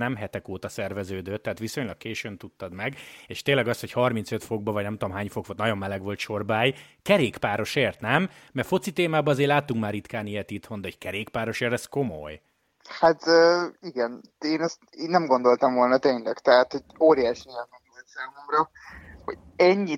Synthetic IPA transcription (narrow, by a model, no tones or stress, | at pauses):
nɛmɦɛt̪ɛkoːt̪ɒsɛrvɛzøːd̪øːt̪ːɛɦaːt̪ʋiso̞ɲlɒkkeːʃønt̪ut̪ːɒd̪mɛɡeːʃt̪eːnlɛɡɒsho̞chɒrminsøt̪fo̞ɡ̚bɒvɒɟnɛmt̪oomɦaːɲfo̞kfot̪nɒɟjo̞mːɛlɛɡʋo̞lt̪ʃo̞rbaːjkɛɾeːkpaːɾo̞ʃeːrt̪nɛmːɛrfo̞t̪sit̪eːmaːbɒɒzeːrlaːt̪ːuŋkmaːrit̪kaːniɛt̪it̪ho̞nd̪ɛɦoɟkɛɾeːkpaːɾo̞ʃeːrt̪ɛsko̞moj | hat̪øiɡɛn | eːnɛst̪nnɛmɡo̞nd̪o̞lt̪ɒmvo̞lnɒt̪eːɲlɛɡt̪ɛɦat̪hoɟoːɾijaːʃniɛŋmonolt̪saːmomɾɒ | ho̰ | ɛɲːi